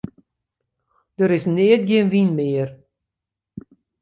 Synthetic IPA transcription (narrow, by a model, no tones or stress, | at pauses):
d̥əɾɪsnɪətɡɪənʋinmɪːər